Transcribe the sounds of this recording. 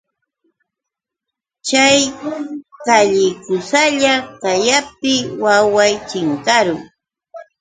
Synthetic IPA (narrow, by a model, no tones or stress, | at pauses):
t͡ʃaj | kaʎɪkʊsaʎakajap̚ɪwawajt͡ʃɪŋkaɾʊŋ